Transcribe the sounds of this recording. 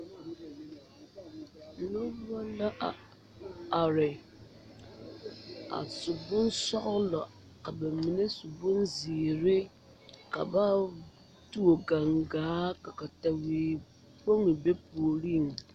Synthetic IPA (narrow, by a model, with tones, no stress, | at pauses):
no˦bɔ˦la˦ʔa˨ | a˨ɾɪ˨ | a̰˨sʊ˨bʊ˦nsɔ˦ɣʊ˦lɔ˨ | ka˨bɛ˨mi˨ne˦su˨bʊ˦nzi˨ɾɪ˦ | ka̰˨ba˦ | tu˦o˨ɡa˨ŋɡaː˨˦ka˨ka˨ta˨weː˨ | po˦ŋɪ˨be˦po˨ɾi˦˨ŋ˨